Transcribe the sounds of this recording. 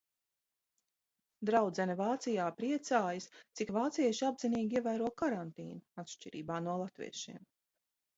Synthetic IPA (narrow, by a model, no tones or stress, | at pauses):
d̪ɾawd̪zɛnɐvaːt̪sijaːpɾiɛt̪saːjɐst̪sikvaːt̪siɛʃiabziniːɡʲiɛvæːɾuɔkaɾant̪ḭːnuat̪ʃt͡ʃiɾḭːbaːnuɔlˠat̪vḭɛʃiɛm